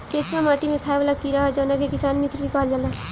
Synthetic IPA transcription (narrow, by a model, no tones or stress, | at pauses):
keːt͡ʃɾamaːʈimẽt̪ʰaːjʋlakiɾaad͡ʒaːnakekɪsaːnmɪt̪ʰɾbikaːld͡ʒala